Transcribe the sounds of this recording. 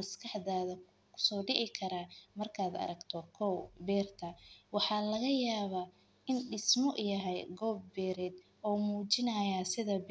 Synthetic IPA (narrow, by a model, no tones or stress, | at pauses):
mɐskʰɐħd̪aːðɐ | kʰʊ̥sɔːɖɪɣɪkʰɐɾaːmɐrkʰaːd̪ɐ̰ɾɐɡt̪ʰɔkʰɔwbɛːrt̪ʰɐwɑħɑːlɐɣɐjaːβa | ɪnɖɪsmɔʔjɐɦɛjɡɔːbːɛːɾɛːd̪ | ɔːmuːt͡ʃɪnɐjasɪðɐb